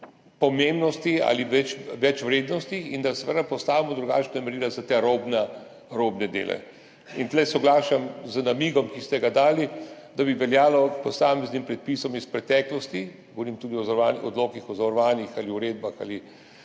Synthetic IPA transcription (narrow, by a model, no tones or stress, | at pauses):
pɔmembnɔst̪ia̰liʋɛt͡ʃʋɛt͡ʃʋɾeːd̪nɔst̪iind̪asɛʋəd̪apɔst̪aːʋimɔd̪ɾuɡa̰ːt͡ʃnamɛɾiːlazat̪eɾoːbna | ɾobnɛd̪ḛːlʔɛ̰ | int̪lɛsɔɡlaːʃamzənamiːɡɔmkist̪ɛɡad̪aːlid̪abiʋɛljaːlɔpɔsaːmɛznimpɾɛt̪̚pisɔmispɾɛt̪ɛːklɔst̪iɡɡoʋɔɾiːmt̪uːd̪iɔzanɔ̰d̪loːkixɔzaʋɾɔʋaːnixaliuɾeːd̪baxa̰li